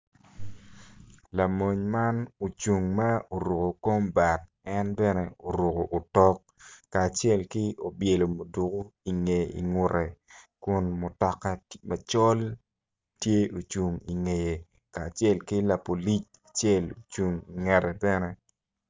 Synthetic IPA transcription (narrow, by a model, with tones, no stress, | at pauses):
la˨mo˨ɲma˦no˨t͡ʃu˨ŋma˦o˨ɾo˨ko˨ko˦mba˨t̚ | ɛ˦nbɛ˦nɛ˦o˨ɾu˨ko˨ʔːtɔ˦kː | aː˨t͡ʃjɛ˦lkɪ˦o˨bje˨lo˨mo˨du˨ko˦i˨ŋe˨ḭ˨ŋʊ˨ɾɛ˨kʊ˦nmʊ˨tɔ˨ka˦ma˨t͡ʃɔ˦l | tje˦o˨t͡ʃu˨ŋi˨ŋe˨je˨ | kaː˨t͡ʃɛ˦˨lkɪ˦la˨po˨li˦t͡ʃ | a˨t͡ʃjɛ˦lo˨t͡ʃu˨ŋi˨ŋɛ˨ɾɛ˨bɛ˦nɛ˦